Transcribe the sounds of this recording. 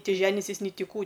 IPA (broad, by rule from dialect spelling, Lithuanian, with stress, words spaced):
ˈtʲɪ ˈʒʲæːnʲɪsʲɪs nʲɪ ˈtʲɪ ˈkuː